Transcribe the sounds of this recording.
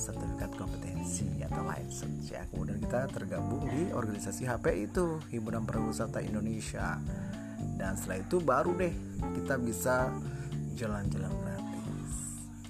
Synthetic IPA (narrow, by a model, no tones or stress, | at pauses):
sərt̪əfikat̪̚kɔmpət̪ɛnsia̰t̪awla̰ɛ̰k̚sə̰sja̰kəmudiankit̪at̪ərɡabʊŋdiʔɔ̰rɡanisasiɦapeʔit̪uhibuɾanpəɾaɡusərt̪aindonesia̰ | danst̪əlait̪ubaɾudɛhkit̪abisa | d͡ʒəland͡ʒalanpənat̪ḭs